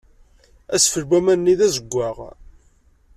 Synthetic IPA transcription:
æsfəɾbæmænnːiðæzəɡʷːaʁ

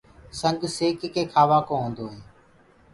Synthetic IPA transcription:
səŋɡseːkekeːkʰaːʋaːkõːɦõːnd̪oːɦeː

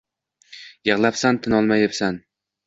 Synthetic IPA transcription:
jɤʁlˠapsant̪ʰɪnɒlˠmajepsan

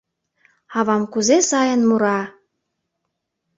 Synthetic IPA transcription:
ɑβɑmkuzesɑjə̆nmuɾɑ

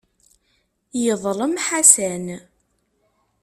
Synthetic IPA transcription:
jəðˤləmħasæn

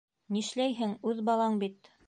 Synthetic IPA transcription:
niʃlæjɦɘŋʉðbɑlˠɑɴbit̪

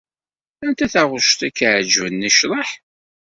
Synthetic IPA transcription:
ænt̪æθaʁʊʃt̪ækːəʕd͡ʒvənːiʃɾˤəħ

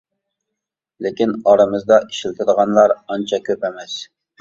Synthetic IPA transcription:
lɪkʲinɑɾɨmɨzd̪ɑʔiʃilt̪ʰɪd̪əʁɑnlˠɑɾɑnt͡ʃʰɑkʲʰøpɛmɛs

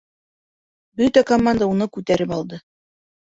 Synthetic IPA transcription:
bɵt̪ækɐmand̪aunɤkʉt̪æɾɘpɑlˠd̪ɤ

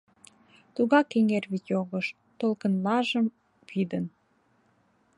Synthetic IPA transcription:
t̪uɣɑkeŋerβitjoɣəʃ | t̪olkə̆nlɑʒə̆m | pid̪ən

